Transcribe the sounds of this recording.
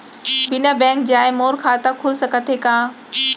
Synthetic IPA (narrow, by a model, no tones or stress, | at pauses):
bɪnəbɛ̃ːŋk̚d͡ʑaːɪmoːɾkʰaːt̪akʰuːlsɐkət̪ʰekãː